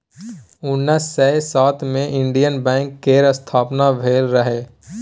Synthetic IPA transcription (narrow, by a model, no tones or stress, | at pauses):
ʊnːəsːɛːsaːt̪ʰmẽʔɪ̃ɳɖijənbɛ̃ːŋkːeːɾəst̪ʰaːpnabʱeːlɾəɦeː